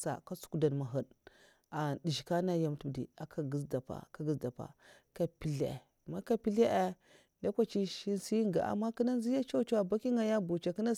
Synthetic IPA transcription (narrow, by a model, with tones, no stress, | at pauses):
sa̰˨ka˦su̥˦ku˦da˨nma˨ɦə˨d | a˨di˨ʒi˨ka˦na˦ja˨m˨tu˦˨dḭ˨a˨kʰa˨ɡə˦sda˨pa̰˨ka˦ɡə˦sda˨pa̰˨ | ka˨pi˨ɮe˨ | ma˦ka˦pi˦le˦ʔe˦ | nda˦kʷa˦t͡ʃi˦ʃi˦nsi˦ŋɡa̰˨ʔa̰˨mːa˦kə˦na˦n˦zi˦ja˦t͡ʃa˦t͡ʃa˦a˨ba˦ki˦ŋa˨ja˦bu˨t͡ʃa˨kə˦na˦